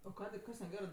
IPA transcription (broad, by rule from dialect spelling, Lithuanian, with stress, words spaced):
oː ˈkɑːdʲeː ˈkɐs nʲɛˈɡʲæːrɜ